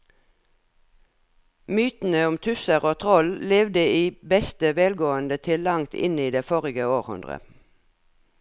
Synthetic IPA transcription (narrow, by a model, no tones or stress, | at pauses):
myːt̪n̩əʊmt̪ʰʉsəʁoːt̪ʰʁɔlleːʋd̪əiːbɛst̪əʋeːlɡoːənd̪ət̪ʰɪlɑŋt̪ʰɪ̰niːd̪eːfoːʁɪɡəoːʁhʉ̰nd̪ʁə̰